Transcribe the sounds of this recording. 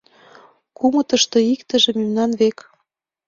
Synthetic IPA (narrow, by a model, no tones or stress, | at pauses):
kumɤ̆t̪ə̆ʃt̪ɤ̆ikt̪ə̆ʒĕmymnɑnβek